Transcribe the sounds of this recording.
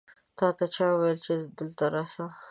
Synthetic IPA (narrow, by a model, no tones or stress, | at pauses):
t̪ɑt̪at͡ʃɑwajəlt͡ʃed̪əlt̪aɾɑsa